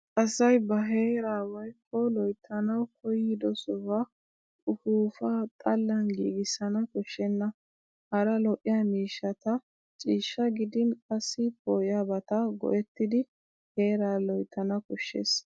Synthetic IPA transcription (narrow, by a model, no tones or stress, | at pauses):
kɐsɐjbɐɦe̞ːɾaːwɔjkʰːɔlɔjt̪ʰːɐnɐwkʰɔjɪd̪ɔsɔwa | ʔʊfuːfaːt̪ʼɐlːɐnɡḭːɡɪsɐnɐkɔʃːɛnːɐ | hɐɾɐlɔʔɪjaːmiːʃːɐt̪ɐ | t͡ʃʼiːʃːɐɡɪd̪ɪnkʼɐsːɪpojabɐt̪ɐɡɔ̰ʔɛt̪ːɪd̪ɪ | he̞ːɾaːlɔjt̪ʰːɐnɐkɔʃːḛːs